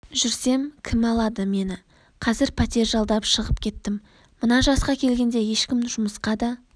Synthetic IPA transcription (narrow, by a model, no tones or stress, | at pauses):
ʒʏɾse̞mkʲʰɪmɑlˠɑd̪əme̞nɪ | qʰɑzɪɾpʰɑt̪e̞ɾʒɑlˠd̪ɑpʃəʁəpkʲʰe̞t̪ːɪmː | ənɑʒɑsqɑkʲʰe̞lɡʲe̞nd̪e̞je̞ʃkʲɪmʒʊməsqɑd̪ɑ